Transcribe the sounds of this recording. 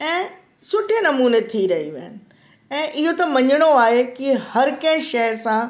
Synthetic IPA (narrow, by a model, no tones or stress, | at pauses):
ɛ̃ː | sʊʈʰenɐmuːnet̪ʰiɾɐɦiʋɐɦənɪ̆ | ɛ̃ːʔɪɦot̪ɐmɐ̃ɲəɽ̃oaːɦekihɐɾkɐ̃ɦʃɐɦsã